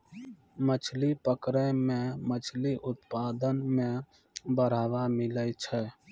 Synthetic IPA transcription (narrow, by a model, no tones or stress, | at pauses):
mət͡ʃʰlipəkɾẽmẽmət͡ʃʰliʔʊt̪paːd̪ənmẽ | bəɾ̤aːʋamɪlət͡ʃʰɛː